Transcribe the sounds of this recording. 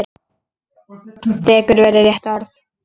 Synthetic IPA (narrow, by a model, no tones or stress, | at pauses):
ɾ | t̪ɛːkʏɾvɛːɾɪɾjɛht̪ɔɾθ